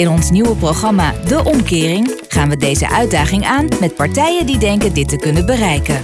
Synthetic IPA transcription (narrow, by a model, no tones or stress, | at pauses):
ɪnɔnsniwəproχɑmaːdəʔɔmkɪːrɪŋ | χaːnʋədejzə̰ʔœɥ̚daːχɪŋaːnmɛt̚pɑɹtɛjəndidɛŋkəndɪtəkɵnənbərɛjkən